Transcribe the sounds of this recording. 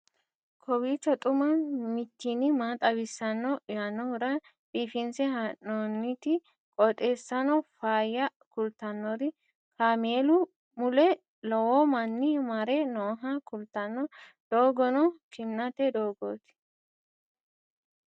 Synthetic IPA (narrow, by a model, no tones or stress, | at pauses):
kʰɔwiːt͡ʃːɔt̪ʼʊmɐnmɪt̪ːinɪmaːt̪ʼɐbɪsːɐnːɔjanːɔhʊɾɐ | pʼiːfɪnsɛhaʔɔnːɪt̪ɪ | kʼɔt̪ʼe̞ːsːɐnɔfaːjːɐkʊlt̪ɐnːɔɾɪ | kaːmeːlʊ | mʊlɛ | lɔwɔmɐnːɪmɐɾɛnoːɦɐkʊlt̪ɐnːɔ | d̪̥oːɡɔnɔkɪnːɐt̪ɛd̪oːɡoːt̪ɪ̥